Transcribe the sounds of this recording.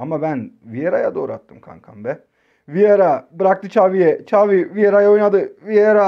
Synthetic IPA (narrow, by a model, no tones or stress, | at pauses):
amabænvijeɾajad̪oːɾa̰t̪ːɯmkʰa̰ŋkʰambɛ | vijaɾabɯɾak̚t̪ɯt͡ʃʰaːvijɛt͡ʃʰavivijeɾajaojnad̪ɯvijeɾa